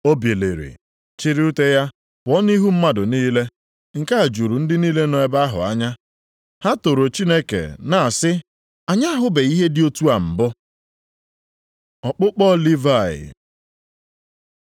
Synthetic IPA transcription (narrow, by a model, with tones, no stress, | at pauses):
o˦bje˨lḛ˨ɾḭ˨ | t͡ʃɪ˦ɾi˦u˦te˦ja˦ | pʊ˨ɔ˦ni˦ɦu˦m̩˦ma˦dʊ˨niː˦le˦ | ŋ̩˨ka˦a˨d͡ʒu˨ɾu˨n̩˦dɪ˦niː˦le˦nɔ˨e˨ba˦a˦ɦʊ̰˨a̰˦ɲa˦ | ha˦to˨ɾo˨t͡ʃi˦ne˦kḛ˨na˨a˨sɪ˦ | a˨ɲa˦a˦ɦʊ˦be˨i˦ɦe˦dɪ˦o˦tu˦a˨m̩˨bɔ˦ | ɔ˨k͡pʊ˦k͡pɔ˦li˦va˦˨ɪ̰˨